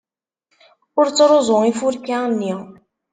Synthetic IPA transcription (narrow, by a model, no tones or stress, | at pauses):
ʊɾt͡sːɾˤozˤʊifuɾkanːi